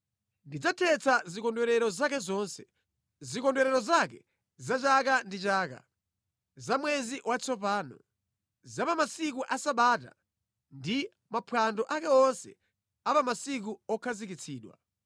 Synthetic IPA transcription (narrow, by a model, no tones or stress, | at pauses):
ndid͡zatʰɛt͡sʰazikɔndwɛɾɛɾɔzakɛzɔnsɛ | zikɔndwɛɾɛɾɔzakɛ | zat͡ʃakandit͡ʃaːka̰ | zamwɛziwʔat͡sɔpaːnɔ̰ | zapamasikuʔasaɓaːta̰ | ndi | mapʰwandɔʔakɛɔnsɛ̰ | apamasik̬uɔkʰazikit͡sʰiːɗwa̰